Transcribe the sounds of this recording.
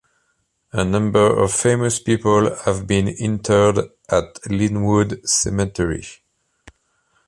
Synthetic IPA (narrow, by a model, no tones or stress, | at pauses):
ənʌ̃mbə˞ɔ̰v̥feɪməspipəlhævbĩnɪ̃ntʰə˞d | ʔatlĩnwudsɛ̰mɛtʰɛɹḭ